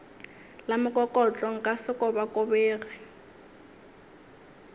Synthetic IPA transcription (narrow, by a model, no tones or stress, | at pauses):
lamʊkʼɔkʼɔt͡ɬʼɔŋ̩kʼasɪkʼɔbakʼʊbeːɣɛ